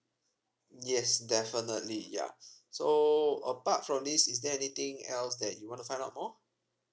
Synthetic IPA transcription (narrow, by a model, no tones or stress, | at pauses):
jɛsdɛfənətlija̰soəpatfɹɔ̃md̪isisdɛɛnit̪ɪ̃ŋɛ̰lsdɛt̚juwɔ̃ntufãj̃ndaʊt̚mɔ